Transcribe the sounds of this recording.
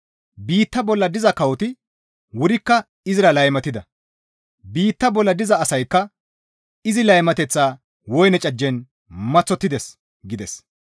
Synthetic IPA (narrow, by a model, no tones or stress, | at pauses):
biːt̪ːɐbɔlːɐd̪ɪzɐkɐwɔt̪ɪ | wʊɾɪkːɐ | ɪzɪɾɐlɐjmɐt̪ɪd̪ɐ | biːt̪ːɐbɔlːɐd̪ɪzɐːsɐjkːɐ | ɪzɪlɐjmɐt̪ɛt͡sːaː | wɔjnɛt͡ʃʼɐd͡ʒːɛn | mɐt͡sːɔt̪ːɪd̪ɛs | ɡɪd̪ɛs